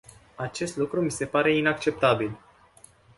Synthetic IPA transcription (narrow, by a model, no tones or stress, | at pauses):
at͡ʃe̞st̪lukɾumise̞paɾe̞inak̚t͡ʃe̞p̚t̪abil